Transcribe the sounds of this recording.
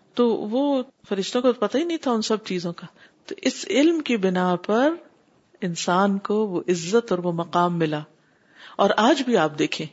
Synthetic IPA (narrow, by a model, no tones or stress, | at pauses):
t̪oʋo | fɐɾɪʃt̪õkot̪opɐt̪aɦinɐɦĩt̪ʰaʊnsɐb̚t͡ʃiːzõka | t̪oʔɪsɪlmkibɪnapɐɾ | ɪnsaːnkoʋoʔɪzːət̪ɔːɾʋomɐqaːmːɪlaː | ɔːɾaːd͡ʒbʱiaːp̚d̪eːkʰẽː